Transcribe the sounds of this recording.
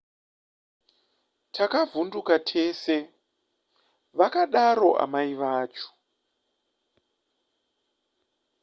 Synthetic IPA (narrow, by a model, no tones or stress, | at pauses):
tʰakavundukatʰe̞ːse̞ | ʋakaɗaɾo̞ʔa̰maiʋaːt͡ʃo̥